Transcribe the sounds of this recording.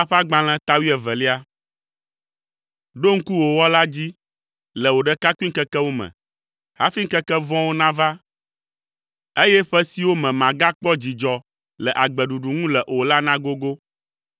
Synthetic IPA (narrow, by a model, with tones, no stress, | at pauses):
a˦ɸa˦ɡ͡bã˨l̃ɛ̃˦t̪a˦wi˦ɛ˨vɛ˨li˦a˦ | ɖo˦ŋ̩˦ku˦wo˨wɔ˦la˦d͡ʑi˦ | lɛ˨wo˨ɖɛ˦ka˦ku˦i˦ŋ̩˦kɛ˦kɛ˦wo˦mɛ̰̃˨ | ha̰˦fi˦ŋ̩˦kɛ˦kɛ˦vɔ̃˦wo˦nã˦va˦ | e˦jɛ˦ɸɛ˦si˦wo˦mɛ̃˨mã˨ɡa˦k͡pɔ˦d͡ʑi˨d͡ʒɔ˨ | lɛ˨ʔa˨ɡ͡bɛ˨ɖu˨ɖu˨ŋũ˦lɛ˨ʔo˨la˦nã˦ɡo˦ɡo˦